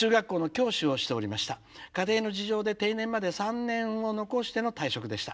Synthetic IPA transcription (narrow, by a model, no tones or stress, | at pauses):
ɨːɡakːo̞ːno̞kʲo̞ːɕio̞ɕi̥t̪e̞o̞ɾʲimaɕi̥t̪a | kat̪e̞ːno̞d͡ʑiʑo̞ːd̪e̞t̪e̞inẽ̞mːad̪e̞sãnːẽ̞ɰ̃o̞no̞ko̞ɕi̥t̪e̞no̞t̪aiɕo̞kɯ̟d̪e̞ɕi̥t̪ḁ